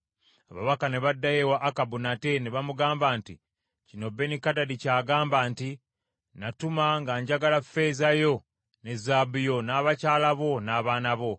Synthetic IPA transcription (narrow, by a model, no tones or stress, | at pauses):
aβa̰βakane̞βadːajewaʔːkabunate̞neβamuɡaːmbanti | cino̞be̞nikadadicaːɡaːmbaːnti | natumaŋɡaɲɟaɡalafe̞ːzajo̞ | ne̞zabijo̞naːβacaːlaβo̞naːβaːnaβo̞